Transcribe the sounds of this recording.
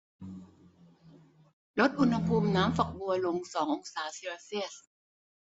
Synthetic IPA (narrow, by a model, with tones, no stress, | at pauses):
lo˦˥t̪̚ʔu˧nha˧pʰuː˧mnaː˦˥mfa˨˩k̚bu˧ɐlo˧ŋsɔː˩˦ŋʔo˧ŋsaː˩˦siː˧laː˧si˥˩əs